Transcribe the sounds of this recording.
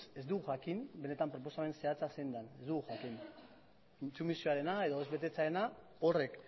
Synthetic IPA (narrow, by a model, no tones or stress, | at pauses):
se̞zd̪uɣuxakimbe̞ne̞t̪ampɾo̞p̬o̞same̞nse̞at͡sase̞jnd̪ane̞zd̪uɣuxakin | int͡sumisioaɾe̞nae̞ðoezβe̞t̪̬e̞t͡sae̞na | ore̞k